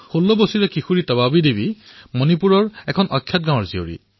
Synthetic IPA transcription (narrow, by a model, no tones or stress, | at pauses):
xolːɔbosiɹɛkixuɹitɔβabidebi | monipuɹɔɹɛkʰɔnʔɔkʰːjat̚ɡãw̃ɔɹzio̰ɹḭ